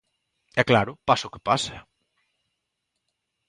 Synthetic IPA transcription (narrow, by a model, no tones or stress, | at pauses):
ɛklaɾʊpasʊkɪpasa